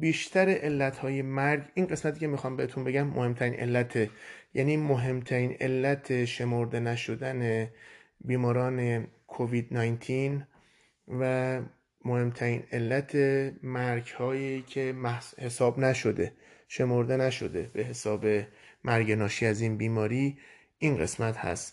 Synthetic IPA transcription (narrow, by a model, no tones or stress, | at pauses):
biːʃt̪ʰæɾeʔelːæt̪hɒːje̞mæɾɟinɢe̞smæt̪ʰiːcʰe̞mixɒːmbe̞heːt̪ʰunbe̞ɟæmːohe̞mt̪ʰæɾiːnʔe̞̰lːæt̪ʰejæniːmoɦe̞mt̪ʰæɾiːne̞lːæt̪ʰe̞ʃe̞mo̞ɾd̪e̞næʃo̞d̪ænebiːmɒːɾɒːne̞kʰovid̪nɒjnt̪ʰin | væ | mohe̞mt̪ʰæɾiːne̞lːæt̪ʰe̞mæɾɟhɒːjicʰe̞mæhhe̞sɒːbnæʃo̞d̪eʃe̞mo̞ɾd̪e̞næʃo̞̰d̪e̞be̞ɦe̞sɒːbe̞mʔæɾɟenɒːʃiːæzinbiːmɒːɾiː | ʔinɢe̞̰smæt̪hæ̰st̪